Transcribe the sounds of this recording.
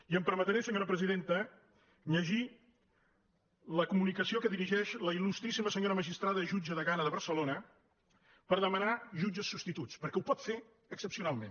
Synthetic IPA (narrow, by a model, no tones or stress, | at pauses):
iəmpəɾmət̪əɾɛsəɲoɾəpɾəziðent̪ə | ʎəʒi | ləkumunikəsiokəðiɾiʒɛʃləilust̪ɾisiməsəɲoɾəməʒist̪ɾaðəʒud͡ʒəðəɣanəðəβəɾsəlonə | pəɾðəmənaʒud͡ʒəsːupst̪it̪ut͡spəɾkɛupɔt̪fe | əksəpsiunalˠmḛn